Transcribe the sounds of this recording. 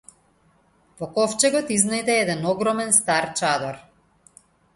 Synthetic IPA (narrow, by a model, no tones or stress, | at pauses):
vɔkɔft͡ʃɛɡɔt̪iznajd̪ɛɛd̪ɛnɔɡɾɔmɛnst̪aɾt͡ʃad̪ɔɾ